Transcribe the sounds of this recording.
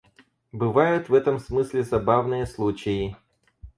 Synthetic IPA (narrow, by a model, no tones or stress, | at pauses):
bɨvajʊt̪vɛt̪əmsmɨsʲlʲɪzɐbavnɨjəslˠut͡ɕɪjɪ